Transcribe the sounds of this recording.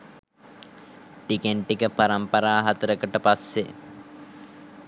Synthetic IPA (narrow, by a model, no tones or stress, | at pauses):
ʈikeɳʈikəpaɾɐmpɐɾaːɦat̪əɾəkəʈəpasːe